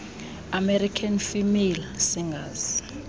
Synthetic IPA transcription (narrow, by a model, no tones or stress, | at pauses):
amɛrikʰanfimilsiŋɡaz